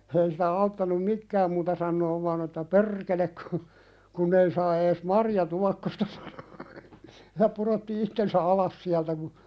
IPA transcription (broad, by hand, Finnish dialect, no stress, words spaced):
ei siːtæ ɑutːɑnum mikːæːm muːtɑ sɑnːoːʋ ʋɑːn etːæ per̆kelek ku kunː ei sɑː eːs mɑrjɑtuɑkːostɑ sɑ̥n̥o̥ jɑ puɾotːi itːensæ ɑlɑs siæltæ ku